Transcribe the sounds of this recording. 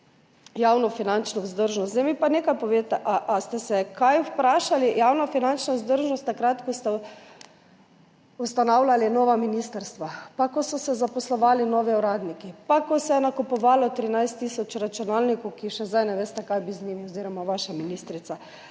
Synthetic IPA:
jaːwnɔfinant͡ʃnɔwzd̪əɾʒnɔst̪zɛjmipaneːkajpɔʋeːt̪ɛʔaʔast̪ɛsɛkajwpɾaːʃalijaːwnafinant͡ʃnawzd̪əɾʒnɔst̪ːakɾat̪kɔst̪ɛ | ust̪anawlʲalinɔːʋaminiːst̪əɾst̪ʋapakɔsɔsɛzapɔslɔʋaːlinɔːʋiuɾaːd̪nikipakɔsɛjɛnakɔpɔʋaːlɔt̪ɾinajst̪ːisɔt͡ʃɾat͡ʃunaːlnikɔwkiʃɛzd̪ajnɛʋeːst̪ɛkajbizniːmiɔziːɾɔmaʋaːʃaminiːst̪ɾit̪sa

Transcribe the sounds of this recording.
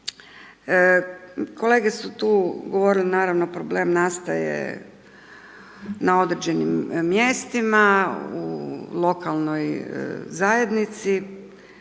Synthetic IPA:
kʰo̞le̞ːɡe̞sut̪uːɡoʋo̞ɾilinaːɾaʋnopɾoble̞ːmnast̪ajḛ | nao̞d̪ɾed͡ʑe̞nimːje̞st̪imaṵlˠo̞kalˠnojzaje̞d̪nit̪si

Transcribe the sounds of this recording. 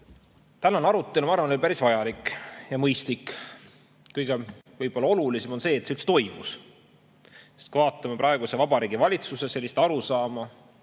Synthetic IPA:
t̪ænːɑnɑɾut̪ːˑe̞lumɑrvɑnelpæɾisvɑjɑlikːjɑmɤjst̪likː | kɤjɡ̥evɤjb̥o̞lːɑo̞lulisemo̞nse̞ːt̪seylt̪set̪o̞jmus | sest̪̚kuivɑːt̪ːˑɑmepɾʔɑeɡ̥use̞vɑbɑɾiːɡ̥ivɑlʲit̪susese̞lʲːist̪ɑɾusɑːmɑ

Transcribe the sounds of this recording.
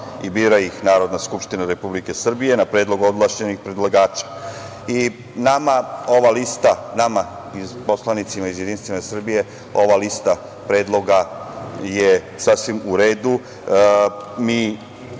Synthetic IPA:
ibiːɾaixnaːɾo̞d̪naskupʃt̪inaɾe̞publike̞sr̩bije̞napɾe̞ːd̪loɡod̪lˠaʃe̞nixpɾed̪lˠaɡaːt͡ʃḁ | i | namao̞ʋalist̪anama | izpo̞slˠanit̪simaizjed̪inst̪ʋimasr̩bije̞ | o̞ʋalist̪a | pɾe̞ːd̪lˠo̞ɡaje | sasʋimuɾeːd̪u | mi

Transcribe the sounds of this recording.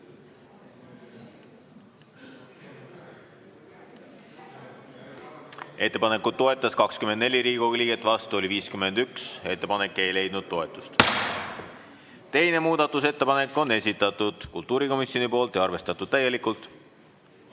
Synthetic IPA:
e̞t̪ːe̞pɑne̞kːˑud̪̥̚t̪ːo̞e̞t̪ːˑɑskɑkskymend̪ne̞lʲiɾiːɡ̥oliːɡet̪ːˑvɑst̪uo̞liviːskyme̞nd̪ykse̞t̪ːe̞pɑne̞kːˑe̞jle̞jd̪̥nud̪̥̚t̪o̞e̞t̪ːˑu̥st̪ | t̪e̞jne̞muːd̪̥ɑt̪ːˑuse̞t̪ːe̞pɑne̞kːˑo̞ne̞sʲit̪ːˑɑt̪ːˑud̪̥kult̪ˑuːɾiko̞misjo̞nipo̞ːlt̪ˑjɑɑrve̞st̪ɑt̪ːˑud̪̥t̪æje̞likːˑult̪ˑ

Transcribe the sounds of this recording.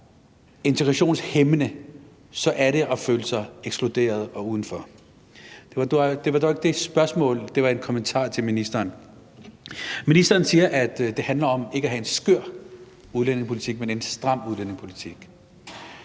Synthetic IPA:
e̝nt͡sʰeɡ̥ʁɑɕo̝̰ːnshemnə | sɒ̽ʔæɐɾe̝ʔɒ̽føːləsɑ̈ɪeɡ̥sb̥lo̝d̥e̝̰ːɐð̞̩ˠɒ̽uːð̞ˠn̩fɒ̽ | d̥e̝ʋɑd̥d̥e̝ʋɑ̈d̥ɒe̝ɡ̥əd̥e̝sb̥ɶɐsmɔ̰̽ːld̥e̝ʋɑ̈e̝nkʰɒ̽mənt͡sʰɑ̰̈ːt͡sʰe̝lminisd̥ɐːn | minisd̥ɐːnsiːɐʔæd̥d̥e̝hænlɐɒ̽me̝ɡ̥əæɦæe̝nsɡ̥øɐ̰ | uðˠlen̰eŋpʰo̝lit͡sʰiɡ̥mene̝nsd̥ʁɑ̈m̰uðˠlen̰e̝ŋpʰo̝lit͡sʰiɡ̥

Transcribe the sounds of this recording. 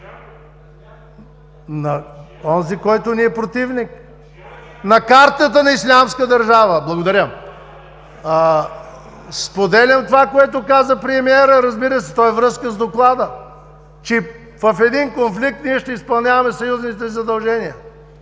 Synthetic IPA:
nɐɔnzikɔjt̪ʊniɛpɾot̪ivnik | nɐkaɾt̪ət̪ənɐislʲamskəd̪ɐɾʒavəblˠɐɡod̪ɐɾʲəm | spod̪ɛlʲɐmt̪ovakoɛt̪ʊkazəpɾɛmiɛɾəɾɐzbiɾəsɛ̥t̪ɔɛvɾɤskəzd̪oklˠad̪ə | t͡ʃɛ | vɐfɛd̪inkonflik̚t̪niɛʃt̪ɛispɐlˠnʲavɐmɛsɐjuznit̪ɛzɐd̪ɐlˠʒɛniə

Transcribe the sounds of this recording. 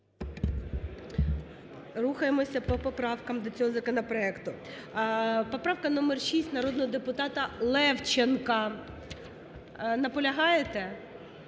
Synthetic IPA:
ɾuxɐjemɔsʲɐpɔpɔpɾɑwkɐmd̪ɔt͡sʲɔɦɔzɐkɔnɐpɾɔɛkt̪ʊ | pɔpɾɑʋkɐnɔmɛrʃisʲtʲnɐɾɔd̪nɔɦɔd̪epʊt̪ɑt̪ɐlˠɛwt͡ʃenkɐ | nɐpɔlʲɐɦɑjet̪ɛ

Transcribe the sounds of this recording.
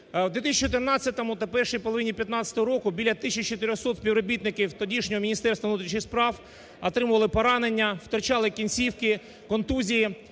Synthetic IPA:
wd̪ʲet̪isʲt͡ʃːit͡ʃɔt̪ɪrnɑt͡sʲːɐt̪ɔmʊt̪ɐpɛrʃɪjpɔlˠɔʋɪnʲːipʲjɐt̪nɑt͡sʲsʲɐ̥t̪ɔɦɔɾɔkʊbʲilʲːɐt̪ɪsʲt͡ʃt͡ʃɔt̪ɪɾʲɔxsɔt̪sʲpʲiwɾɔbʲit̪nɪkʲiwt̪ɔdʲiʃnʲɔɦɔmʲinʲist̪ɛrst̪ʋɐʋnut̪ɾʲit͡ʃnʲɪxspɾɑw | ɐt̪ɾɪmʊʋɐlˠɪpɔɾɑnenʲːɐw̥t̪ɔɾt͡ʃɑlˠɪkʲinʲsʲiwkɪ | kɔnt̪uzʲiji

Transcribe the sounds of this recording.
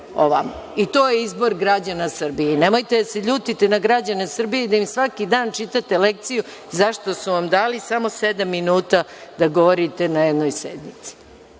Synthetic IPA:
o̰ʋama̰ | it̪o̞ːjeizbo̞ɾɡɾad͡ʑanasr̩bijene̞mo̞jt̪e̞d̪ase̞ʎuːt̪it̪inaɡɾad͡ʑanesr̩bijeid̪aimsʋakid̪aːnt͡ʃit̪at̪e̞lek̚t̪siju | zaʃt̪o̞suʋamd̪aːlisamo̞sed̪amːinuːt̪ad̪aɡoʋoɾit̪e̞najed̪nojsḛd̪mit̪si̥

